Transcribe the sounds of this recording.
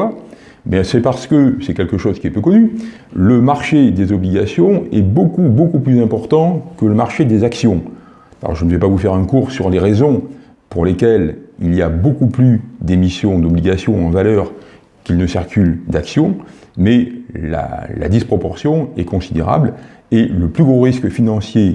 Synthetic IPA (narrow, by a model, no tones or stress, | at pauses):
a | ɛbjɛ̃sɛpaʁsə̥kəsɛkʲɛlkəʃozkʲiɛpøkɔny | ləmaʁʃed̪ezɔbliɡʲasjɔ̃ɛbokubokuplyzɛ̃pɔʁt̪ɑ̃kələmaʁʃed̪ezaksjɔ̃ | ɔ̰ʁʒənəvɛpavufɛʁɛ̃kuːʁsyʁleʁezɔ̃ | puʁlekʲɛliliabokuplyd̪emisjɔ̃d̪ɔbliɡʲasjɔ̃ɑ̃valœʁ | kʲilnəsiʁkʲyld̪aksjɔ̃ | mɛla̰la̰d̪ispχɔpɔʁsjɔ̃ɛkɔ̃sid̪ḛʁa̰bleləplyɡʁoʁiskfinɑ̃sje